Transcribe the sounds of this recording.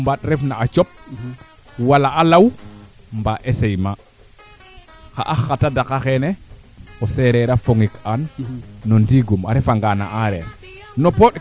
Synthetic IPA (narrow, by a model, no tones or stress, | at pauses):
mbaɗɾɛfnaːt͡ʃɔp̚ | walaalaw | mbaʔesejma | xa̰ʔaxatadakaxɛnɛɔsɛɾɛɾafoŋikanːɔndiɡuma̰ɾɛfaŋɡana̰ʔaɾɛ̰ɾ | nɔpɔɗ